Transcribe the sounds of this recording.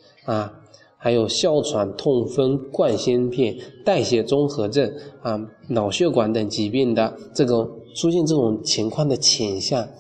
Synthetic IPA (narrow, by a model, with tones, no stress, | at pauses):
a˥˩ | xa˧˥ɪjo˨˩ʊɕjɑ˥˩ʊʈ͡ʂʰwa˧˥nt̪ʰʊ˥˩ŋfə˥nkwa˥˧nɕi˥npʰjɛ˥˩nt̪a˥˩ɪɕjɛ˨˩t͡sʊ˥ŋxɤ˧˥ʈ͡ʂə˥˩na˧˩ | nɑ˨˩ʊɕɥɛ˥˩kwa˧˥nt̪ə˧˩ŋt͡ɕi˧˥pjɛ˥˩nd̪ə˩ʈ͡ʂɤ˥˩ɡə˩ʈ͡ʂʰu˥ɕjɛ˥˧nʈ͡ʂɤ˥˩ʈ͡ʂʊ˨˩ŋt͡ɕʰi˧˥ŋkʰwɑ˥˩ŋd̪ə˩t͡ɕʰɛ˨˩nɕja˥˩ŋ